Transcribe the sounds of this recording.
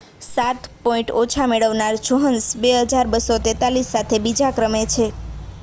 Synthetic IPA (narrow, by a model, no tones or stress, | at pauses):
sat̪pɔĩɳʈot͡ʃʰameɭəʋnaɾt͡ʃoɦənsbeɦəd͡ʒaɾbəsot̪ɛt̪alisːat̪ʰebid͡ʒakɾəmet͡ʃʰe